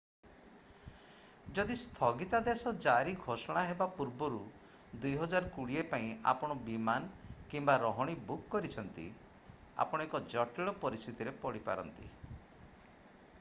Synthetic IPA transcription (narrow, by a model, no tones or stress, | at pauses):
d͡ʒɔd̪ist̪ʰɔɡit̪ad̪esɔd͡ʒaɾiɡʱosɔɽ̃aɦebapuɾbɔɾu | d̪ujɦɔd͡ʒaɾɔkuɽiepaĩa̰pɔɽ̃ɔbimankimbaɾɔɦɔɽ̃ibukːɔɾit͡ʃʰɔnt̪ḭ | a̰pɔɽ̃ekɔd͡ʒɔʈiɭɔpɔɾist̪ʰit̪iɾepɔɽipa̰ɾɔ̰nt̪ḭ